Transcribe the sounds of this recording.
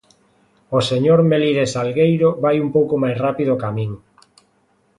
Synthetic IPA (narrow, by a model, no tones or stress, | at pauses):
oseɲoɾmeliðesalɣejɾoβajumpowkomajsrapiðoːkamĩŋ